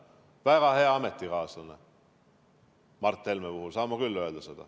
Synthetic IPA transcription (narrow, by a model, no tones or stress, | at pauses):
væɡ̥ɑhe̞ɑɑmet̪ˑːikɑːsɑne | mɑrt̪ˑːe̞lmepuhulsɑːmːɑkylːø̞eld̪̥ɑse̞d̪̥ɑ̰